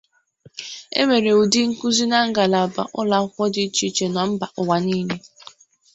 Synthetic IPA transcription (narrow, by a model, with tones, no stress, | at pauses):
ḛ˦me˨ɾe˨u˨di˦ŋ̩˦ku˦zi˦na˦ŋ̩˦ɡa˨la˨ba̰˨ʔʊ˦la˦kʷɔ˦dɪ˦t͡ʃi˦t͡ʃe˨nɔ˨m̩˦ba˨ʔʊ˨wa˨ni˦ne˦